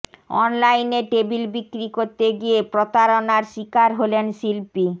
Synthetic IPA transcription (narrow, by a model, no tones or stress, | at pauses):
ɔ̰nlajneʈebilbikːɾikoɾt̪eɡiepɾot̪aɾonaɾʃikaɾɦolenʃilpi